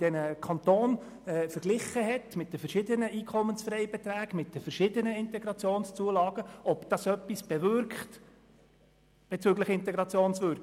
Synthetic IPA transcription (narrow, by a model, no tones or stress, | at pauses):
d̥ɛnəkʰɑnt̪oːn | ɛːfəɾɡ̥lɪχːəɦɛtmɪt̚d̥əfəɾʃɪdənəʔiːkʰɔmənsfɾɛɪbɛt̪ɾæːɡ̥mɪt̚d̥əfəɾʃɪdənəɪntɛɡɾɑt͡sjoːnst͡suəlɑːɡ̥əɔpd̥̪ɑsœpːisb̥ɛvʏɾkχt | b̥ɛt͡sʏɡləχɪnt̪ɛɡɾɑt͡sjoːnsʋøɾk